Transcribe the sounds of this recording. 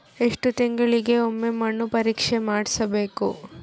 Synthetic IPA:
e̞ʂʈut̪iŋɡɐɭiɡe̞omːemɐɳːupɐɾiːkʂemaːɽisɐbe̞ːku

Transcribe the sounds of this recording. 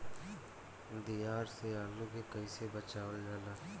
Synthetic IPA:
d̪ijaːɾseaːluːkekəiːsebət͡ʃaːʋəld͡ʒaːlaː

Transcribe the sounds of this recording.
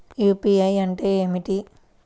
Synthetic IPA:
juːpiɐjɐɳʈeːeːmiʈi

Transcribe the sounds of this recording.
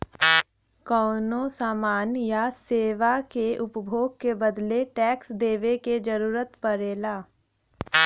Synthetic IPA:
kɔːnosaːmaːnjaseːʋakeʔʊpbʱoːɡ̚kebəd̪leʈɛːksd̪eːʋeked͡ʒəɾuːɾət̪pəɾeːlaː

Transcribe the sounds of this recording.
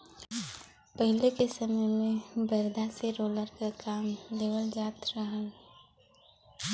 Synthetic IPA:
pəɦɪlekesɐməjmẽbəɾd̪ʱaseɾoːləɾkakaːmleːʋəld͡ʒaːt̪ɾəɦəl

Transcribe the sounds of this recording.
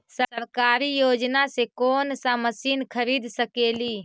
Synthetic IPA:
səsəɾkaːɾijoːd͡ʒnasekoːnsãməsiːnkʰəɾiːd̪ʱsəkeːliː

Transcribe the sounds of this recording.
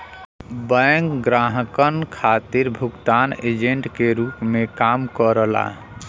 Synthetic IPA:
bəjŋkɡɾaɦəkənkʰat̪iɾbʱukt̪aned͡ʒeɳʈkeɾupmekamkəɾəla̰

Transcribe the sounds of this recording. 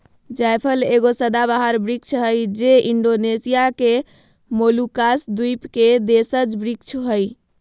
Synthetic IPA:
d͡ʒajpʰəleɡosəd̪abaɦəɾbɾik̚t͡ʃʰɦəjd͡ʒeʔiɳɖonesijake | molukasd̪ujpked̪esəd͡ʒbɾikt͡ʃʰɦəj

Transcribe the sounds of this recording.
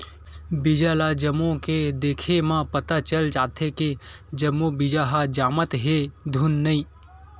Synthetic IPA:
bɪd͡ʒalad͡ʒəmõked̪eːkʰemãpɐt̪at͡ʃəld͡ʒaːt̪ʰeked͡ʒəmːubɪd͡ʒaɦad͡ʒaːmət̪ɦed̪ʱunːɐĩː

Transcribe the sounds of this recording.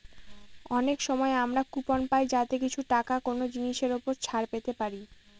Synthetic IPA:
ɔnekʃɔmɔeamɾakuponpajd͡ʑat̪ekit͡ɕʰuʈakakonod͡ʑiniʃeɾopoɾt͡ɕʰaɾpet̪epaɾi

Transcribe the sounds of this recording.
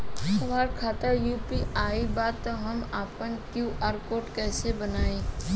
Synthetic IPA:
səʋaːɾkʰaːt̪əɾjuːpiaːibaːt̪t̪ːoɦɐmaːpənkjuːʔaːɾkoːʈkɛːsebənaːẽː

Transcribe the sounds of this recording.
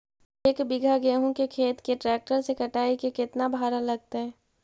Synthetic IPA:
eːkbɪɡʱaɡeːɦõkekʰeːt̪keʈɾɛːk̚ʈəɾsekɐʈaːikekɪt̪nabʱaːɾalɐɡ̚t̪eɦɛ̃ː

